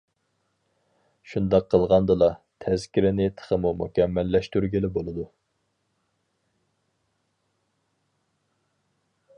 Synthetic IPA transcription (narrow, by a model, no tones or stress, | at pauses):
ʃund̪ɑqʰːəlˠʁɑnd̪ɨlˠɑt̪ʰɛz̥kʲiɾɪnɪt̪ʰə̥χəmumukʲʰɛmːɛlːɛʃt̪yɾɡʲilɪbolˠɨd̪u